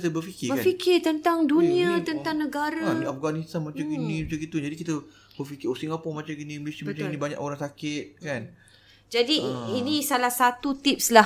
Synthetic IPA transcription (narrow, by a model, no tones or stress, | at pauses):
it̪əbərfikɪbəkfikɪrt̪ənt̪aŋdunĩat̪ənt̪aŋnəɡaɾaaafɡanist̪anmat͡ʃaminĩmat͡ʃaŋkit̪ud͡ʒadikit̪ə | bərfikɪosiŋapɔŋmat͡ʃainĩmilesiamat͡ʃaŋinĩbaɲa̰koɾaŋsakɪt̪̚kan | d͡ʒadiinĩsalahsat̪ut̪ip̚sla